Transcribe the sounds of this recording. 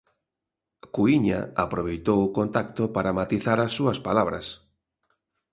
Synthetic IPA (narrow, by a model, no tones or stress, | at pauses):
kuiɲa̰apɾoβ̞ejt̪owʊkont̪akt̪opaɾamat̪iθaɾasːuɐspalaβɾɐ̰s